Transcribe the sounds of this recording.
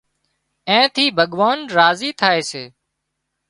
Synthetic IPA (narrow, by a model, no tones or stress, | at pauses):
ẽːt̪ʰiːbʱəɠʋaːnɾaːziːt̪ʰaːeːseː